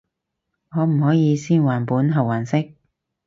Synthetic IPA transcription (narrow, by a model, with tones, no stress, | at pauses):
ŋɔː˨˧m̩˨˩hɔː˨˥jiː˨˧siː˥nwaː˨˩npuː˨˥nɦɐ˨˩waː˨˩nsɪ˥k̚